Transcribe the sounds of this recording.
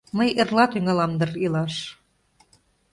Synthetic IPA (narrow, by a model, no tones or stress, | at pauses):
məjerlɑt̪yŋɑlɑmd̪ɤ̆rilɑʃ